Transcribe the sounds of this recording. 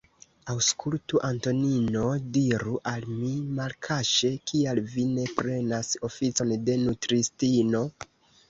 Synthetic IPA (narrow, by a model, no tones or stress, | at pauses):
awskʰultuʔanto̞nino̞diɾuʔalmimalkʰaʃe̞kʰialvine̞pɾe̞naso̞fit͡so̞nde̞nutɾistino̞